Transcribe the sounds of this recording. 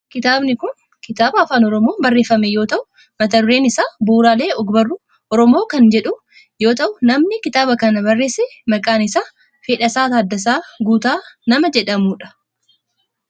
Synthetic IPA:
kɪt̪aːbnɪkʊn | kɪt̪aːbɐːfaːnɔɾɔmo̞ːbɐrːe̞ːfːɐmejo̞ːt̪ɐʔʊ | mɐt̪ɐrːe̞ːnɪsaːbuːɾaːle̞ːɔɡbɐrːʊ | ʔɔɾɔmo̞ːkɐnd͡ʒɛᶑʊ | jo̞ːt̪ɐʔʊnɐmnɪkɪt̪aːbɐkɐnɐbɐrːe̞ːsɛmɐkʼaːnɪsaː | feːᶑɐsaːt̪aːd̪ːɐs̬aːɡuːt̪aːnɐmɐd͡ʒɛᶑɐmuːᶑɐ̥

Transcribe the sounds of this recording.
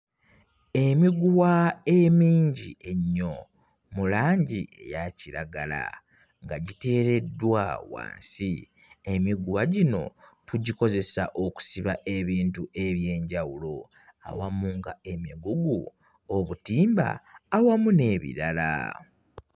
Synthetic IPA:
e̞miɡuwaemiːɲɟiʔe̞ɲːo̞ | mulaːɲɟiḛjaciɾaɡala̰ | ŋɡaɟite̞ːɾe̞dːwawa̰ːnsi | emiɡuwaɟino̞̰tuɟiko̞ze̞sa̰ʔo̞ku̥siβaʔe̞βiːntuʔe̞βje̞ːɲɟawulo̞ | a̰wamuŋɡae̞miɡuɡu | oβutiːmba̰ːwamune̞βḭɾala̰

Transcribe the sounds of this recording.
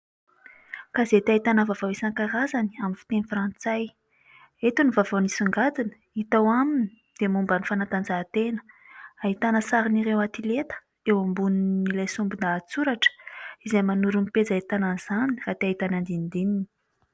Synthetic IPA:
kazet̪aɦit̪anəvavawesaŋkaɾazani̥aminfi̥t̪enifrant͡saj | et̪univavanisuŋɡad̪inə̥ | it̪awamini | d̪̥emumbanifanat̪and͡zat̪enə̥ | aɦit̪anəsaɾiniɾewat̪ilet̪ə̥ | ewambuninilajsumbind̪at͡suɾaʈ͡ʂə̥izajmanuɾumped͡zait̪anaz̥anirat̪eaɦit̪anand̪ind̪inini

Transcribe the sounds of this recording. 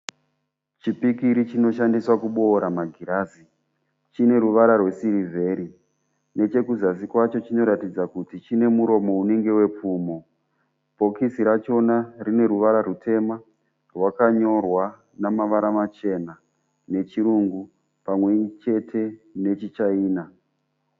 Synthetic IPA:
t͡ʃipikiɾit͡ʃino̞ʃ̬andiswakuɓo̞ːɾamaɡʱiɾaːzi | t͡ʃine̞ɾuʋaɾarwe̞siɾivʱe̞ːɾi | ne̞t͡ʃe̞kuzasikwat͡ʃo̞t͡ʃino̞ɾatid͡zakutit͡ʃine̞muɾo̞mo̞une̞ŋɡe̞we̞p͡fuːmo̞ | po̞kisiɾat͡ʃo̞narine̞ɾuʋaɾarutʰe̞ma | rwakaɲo̞rwa | namaʋaɾamat͡ʃe̞na | ne̞t͡ʃiɾuŋɡu | pamwe̞it͡ʃe̞tʰe̞ne̞t͡ʃit͡ʃaiːna

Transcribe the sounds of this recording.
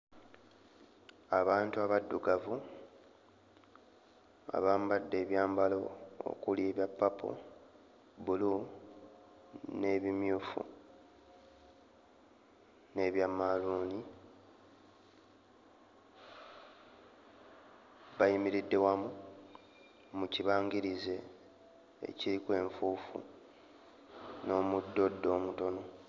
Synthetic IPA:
aβaːntuaβadːuɡavu | a̰βaːmbadːe̞ːβjaːmbalo̞o̰kulje̞ːβjapːapʰo̰ | βulu | ne̞βimjuːfṵ | ne̞βjamːaluːni | βajimiɾidːe̞wamu | muciβaːŋɡiɾize̞̰ː | ciɾikwe̞ːɱfuːfṵ | no̞ːmudːo̞dːo̞ːmuto̞no̞

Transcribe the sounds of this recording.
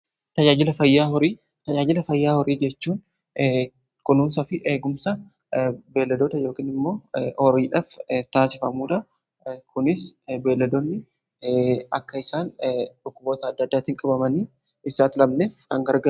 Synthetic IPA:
t̪ɐd͡ʒaːd͡ʒɪlɐfɐjːaːhɔɾiː | t̪ɐd͡ʒaːd͡ʒɪlɐfɐjːaːhɔɾiːd͡ʒɛt͡ʃːuːn | kʊnuːnsɐfɪʔeːɡʊmsɐ | be̞ːlːɐd̪oːt̪ɐjo̞ːkiːnɪmːo̞ːhɔɾiːᶑɐft̪aːsɪfɐmuːᶑ̪ɐ | kʊnɪsbe̞ːlːɐd̪oːnːɪ | ɐkːɐɪsaːnᶑʊkːʊbo̞ːt̪ɐːd̪ːɐd̪ːaːt̪ɪŋkʼɐbɐmɐniː | ɪsaːt̪ɪlɐmneːfkɐŋɡɐɾɡɐ

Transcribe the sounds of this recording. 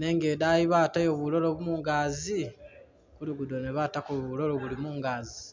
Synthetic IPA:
ne̞ŋɡeːdajiβatajoβulo̞lo̞βumuːŋɡaːzi | kuluɡudoneβatakoβulo̞lo̞βulimuːŋɡaːzi

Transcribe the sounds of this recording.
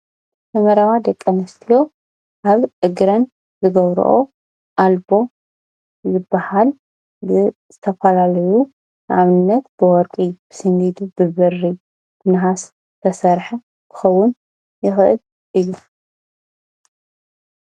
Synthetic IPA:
t̪ʰɐmɐɾawad̪ɐkʼːɐmɐst̪ʰijo̞ | ʔaβʕɨɡɾɐn | zɨɡɐβɾ̰ʔo̰ | ʔalbo̞ | zɨbːahal | bɨzɨt̪ʰɐfɐlalɐju | nʕaβɨnːɐt̪b̥ɨwɔɾkʼib̥ɨ̥sɨŋɡid̪ubɨβɨrːi | b̪ʰɨnɦas | t̪ʰɐsɐɾħɐ | kʰɨ̥xɐwʊn | jɪxʔɨ̰l | ʔɨjːu

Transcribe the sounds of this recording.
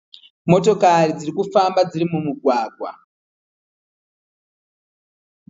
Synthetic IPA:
mo̞to̞kaɾid͡ziɾikufambad͡ziɾimumuɡʱwaːɡʱwa̰

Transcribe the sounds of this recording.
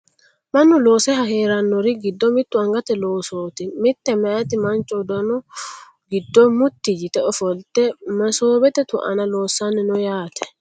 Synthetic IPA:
mɐnːʊlo̞ːsɛɦɐhe̞ːɾɐnːɔɾɪɡɪd̪ːɔmɪt̪ːʊɐŋɡɐt̪ɛloːsoːt̪ɪmɪt̪ːɛmɛʔɐt̪ɪmɐnt͡ʃʼːɔd̪ɔnɔ | ɡɪd̪ːɔmʊt̪ːɪd͡ʒɪt̪ɛɔfɔlt̪ɛmɐsoːbɛt̪ɛt̪ʊʔɐ̰nɐloːsːanːɪnɔjaːt̪ɛ̥

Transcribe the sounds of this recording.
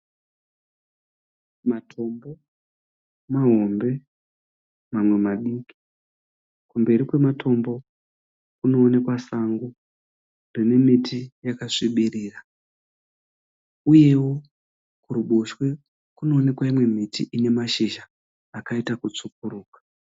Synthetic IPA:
matʰo̞mbo̞ | maɦo̞mbe̞ | mamwe̞maɗiki̥ | kumbe̞ɾikwe̞matʰo̞mbo̞ | kuno̞ːne̞kwasaŋɡu | rine̞mitʰijakaʂiɓiriːra | uje̞wo̞ | kuɾuɓoʃwe̞ | kuno̞ːne̞kwaimwe̞mitʰḭʔine̞maʃiʒaː | kaitakut͡sukuɾuːkḁ

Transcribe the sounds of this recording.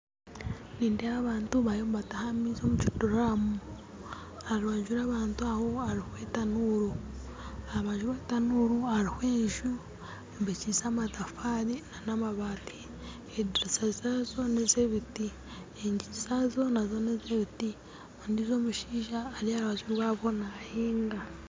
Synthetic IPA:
niːndeaβaːntuβajombatahamizo̞ːmuciduɾamu | aɾaːɲʒuɾaβaːntuaho̞aɾihwetanuːɾu | aβaːɲʒuβwetanuːɾuaɾihweːɲʒu | mbecizamatafaɾinanamaβaːti̥ | ediɾisazazo̞nezeβiti | eɲɟiisazo̞nazonezeβiti | ondizo̞ːmuʃiːʒaːɾiaɾwazuɾwaβo̞nahiːŋɡa

